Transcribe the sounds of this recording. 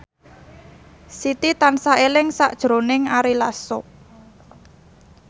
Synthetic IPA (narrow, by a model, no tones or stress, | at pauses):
sit̪it̪ansaelɪŋsa̰ʔd̥ʒ̥ɾo̤nɪŋaɾilaso